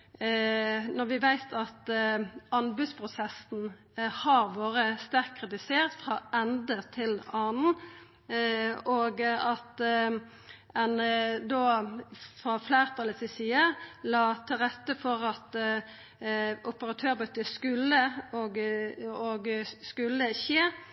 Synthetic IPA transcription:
nɔʁʋɪʋæɪt̪ʰɑt̪ | ɑnbʉspʰʁʊsɛsn̩ | hɑʁʋoːɾəst̪æɾkkʰːʁɪt̪ɪseːʁt̪fʁɑːɛnd̪ət̪ʰɪlɑːnn̩ | oːɡɑt̪ | ɛnd̪oːfɾɑflæːʁt̪ʰɑləsɪsiːəlɑːt̪ʰɪlʁɛt̪ːəfɔʁɑt̪ | ʊpəɾɑt̪ʰøːɾbʉt̪əskʉlːəoɡoɡskʉlːəçeː

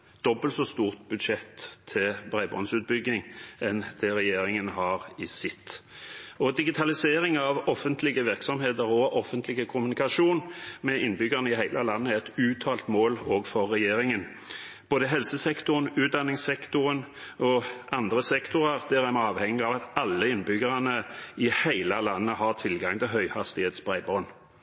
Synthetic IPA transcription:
d̪̥ɔbəlt̪sɔst̪uːʁt̪bʉd̪ʂɛt̪ʰːɪlbɾæɪbɔ̰nsʉːt̪̚bʏɡɪŋɛnd̪̥ɛʁɛjeːɾɪŋənhɑʁɪsɪt̪ː | ɔd̪ɪɡɪt̪ʰɑlɪseːɾɪŋɑʋɔfːənt̪lɪɡəʋɪʁksɔmheːt̪əʁɔʔɔfːənt̪ʰlɪɡəkʰʊmʉnɪkɑʃuːnmɛɪnːbʏɡəʁnəɪɦæɪlʔəlɑnːəɛt̪ʉːt̪ʰɑːlt̪moːloːɡfɔʁːɛjeːɾɪŋən | b̥oːd̪əɦɛlsəsɛkt̪ʊɾənʉːt̪̚d̪ɑnɪŋsɛkt̪ʊɾənɔʔɑnd̪ʁəsɛkt̪ʊʁəʁd̪ɛʁɛmɑːʋhɛŋːɪɑʋɑt̪ɑlːəɪnːbʏɡəʁɑnəɪhæɪləlɑnːəhɑʁt̪ʰɪlɡɑŋt̪ʰɪlɦœʏhɑst̪ɪheːt̪sbʁæɪbʁɔn

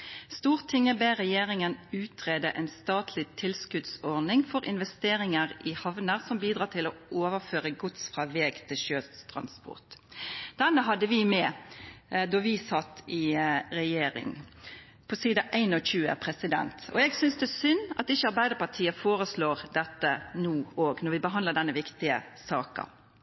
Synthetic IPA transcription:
st̪uːʁt̪ʰɪŋːəbeʁɛjeːʁɪŋənʉːt̪ʰʁeːd̪əʔɛɪnst̪ɑːt̪ʰlɪt̪ʰɪlskʉd̪sɔʁnɪŋfɔɾʔɪ̰nʋɛst̪eːɾɪŋəʁɪhɑʋnəʁsɔmbiːd̪ʁɑːt̪ʰɪlɔʔoːʋəføːʁəɡʊt̪sfʁɑʋɛːɡt̪ʰɪlʃøːt̪ʰʁɑ̰nspɔ̰ʁt̪d̪̥ɛnːəɦɑd̪əʋɪmɛ | d̪ɔʋɪsɑt̪ːɪɾɛjeːɾɪ̰ŋ | pʰɔsiːd̪ɑʔæɪnɔçʉːə̰pʰɾɛsɪd̪ɛ̰nt̪ɔ̰ɛɡsʏnsd̪ɛsʏnːɑ̰t̪ɪçːəɑɾbæɪd̪əpɑʁt̪ʰiːəfoːʁəsloːʁd̪ɛt̪ːənuːoːɡnɔɾʋɪbəɦɑnləd̪ɛnːəʋɪkt̪ɪə̰sɑːkɑ̰

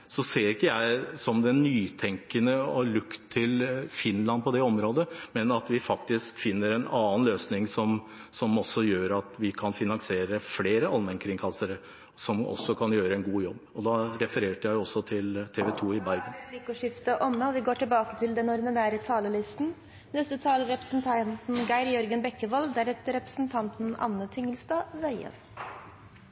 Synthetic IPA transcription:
sɔseːɾɪkːəjæɪsɔmd̪ɛnːyːt̪ʰɛŋkənəɔlʉkt̪ʰːɪlfɪnlɑnpʰɔd̪ɛɔmɾoːd̪əmɛnɑt̪ʋɪfɑkt̪ɪskfɪnːəɾɛnɑːnløːsnɪŋsɔm | sɔmɔsɔjøːɾɑt̪ʋɪkʰɑnfɪnɑnsɪeːɾəfleːɾəɑlmɛnkʰɾɪŋkʰɑsːəɾ | sɔmɔ̰sːɔkʰɑnjøːɾəɛnɡuːjɔbːɔd̪ɑɾɛfəɾeːʈəjæɪjɔsːɔt̪ʰɪlt̪ʰeːʋɛt̪ʰuːɪbæɾɡənlɪkʊʂɪft̪əʔɔmːəɔʋɪɡoːʈɪlbɑːkət̪ʰɪld̪ɛnɔɾd̪ɪnæːɾət̪ʰɑːləlɪst̪n̩ | nɛst̪ət̪ʰɑːləɾɛpɾəsn̩t̪ʰɑnt̪n̩ɡæɪɾjɔɾɡənbɛkːəʋɑld̪æɾhɛt̪əɾɛpɾəsn̩t̪ʰɑnt̪n̩ɑ̰nːət̪ʰʏŋːəlst̪ɑːʋæɪə̰ʋ

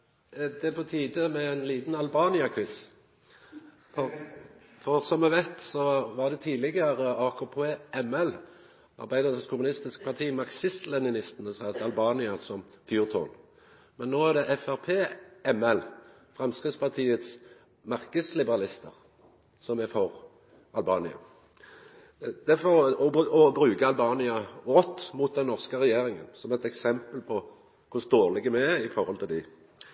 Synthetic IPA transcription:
d̪ɛpʰɔt̪ʰiːd̪əmɛæɪnliːt̪n̩ɑlbɑːnɪɑkʰʋɪs | fɔʁ | fɔʁsɔmːɛʋæɪt̪sɔʋɑʁd̪ɛt̪ʰiːlɪɡəʁəɑːkʰopʰeːɛmɛl | ɑ̰ʁbæɪd̪əʁəskʰʊmʉnɪst̪ɪskpʰɑʁt̪ʰiːmɑʁksɪst̪lɛnɪnɪst̪n̩əsɑt̪ɑlbɑːnɪɑsɔmfjuːʁt̪ʰo̰ːn | mɛnːoːæʁd̪ɛʔɛfæʁpʰeːɛmɛl | fʁɛmskʁɪd̪spɑʁt̪ʰiːət̪s | mɑʁkəslɪbəʁɑlɪst̪əʁ | sɔmɛfɔʁ | ɑlbɑːnɪɑ̰ | d̪̥ɛfɔɔbʔɔbɾʉːkəɑlbɑːnɪɑʁɔt̪ːmuːt̪̚d̪ɛnːɔʁskəʁɛjeːɾɪŋə̰nsɔmɛt̪ɛksɛmpəlpʰɔ | kʰʊst̪oːʁlɪɡəmɛɪfɔʁɔlt̪ɪld̪ɪ

